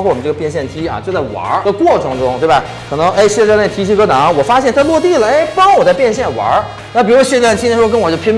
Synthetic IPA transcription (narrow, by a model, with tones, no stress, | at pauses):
xu˥˩wɔ˨˩ə˦ʈ͡ʂɤ˥˩ɡə˧pjɛ˧nɕ̬jɛ˥˩nt͡ɕ̪ʰi˥ɐ̰˨˩t͡ɕjo˥˧ʊt͡sa˥˩wɐ̰˧˥d̪ə˧kwɔ˥˩ʈ͡ʂʰɤ˧˥ŋʈ͡ʂʊ˥ŋt̪we˥˩ba˩ | kʰɤ˨˩nɤ˧˥ŋʔe˥ɪɕɛ˥˧˥ne˥˩t̪ʰi˧˥t͡ɕʰi˧˥kɤ˧˥na˧˥ŋwɔ˨˩fa˥ɕ̬jɛ˥˩nt̪ʰa˥lwɔ˥˧t̪i˥˩lə˩e˥˩ɪpɑ˥ŋwɔ˨˩t͡sa˥˧ɪpjɛ˥˧nɕjɛ˥˩nwa̰˧˥ | na˥˩pi˨˩ɻu˧˥ɕja˥˩nt͡ɕʰi˥˩˥kə˥nwɔ˨˩t͡ɕjo˥˩pʰjɛ˥m